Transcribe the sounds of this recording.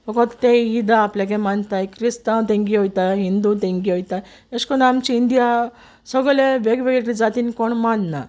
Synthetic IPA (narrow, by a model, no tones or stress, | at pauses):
bɔkɔt̪t̪ẽjid̪aːplak̬ɛ̃mant̪ajkɾist̪ãt̪̬ẽŋɡiɦojt̪aɦind̪ut̪ẽŋɡiɦɔjt̪a | eskɔnamt͡ɕiːnd̪ija | səɡlẽʋeɡʋeɡeʈid͡zat̪iːnikɔɳmanna